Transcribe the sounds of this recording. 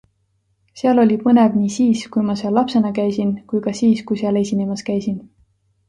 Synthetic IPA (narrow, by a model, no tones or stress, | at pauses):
seɑlo̞lʲipɤnevniːsiːskujmɑseɑlːɑpse̞nɑkæjsinkujkɑsiːskujseɑlesʲinemɑskæjsin